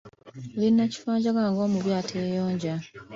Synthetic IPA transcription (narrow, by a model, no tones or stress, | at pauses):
βinːaci̥faːɲɟaɡaːŋɡo̞ːmuβjaːtʰeːjoːɲɟa